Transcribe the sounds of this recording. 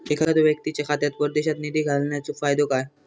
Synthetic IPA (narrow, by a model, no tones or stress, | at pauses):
ekʰaat̪oʋjək̚t̪it͡ɕakʰat̪jat̪̚pəɾd̪eɕat̪nid̪iɡʱalɳjat͡sofajd̪okaj